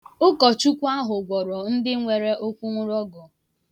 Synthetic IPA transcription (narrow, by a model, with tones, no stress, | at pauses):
ʊ˦kɔ˨t͡ʃu˦kʷa˦ɦʊ˨ɡʷɔ˨ɾɔ˨n̩˦dɪ˦ŋʷe˨ɾe˦ʔo˦kʷu˦ŋʷʊ˦ɾɔ˦ɡɔ˨